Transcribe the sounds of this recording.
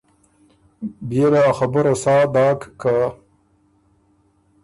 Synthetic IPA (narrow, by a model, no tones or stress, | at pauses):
belaxabəɾasɑːd̪ɑːkka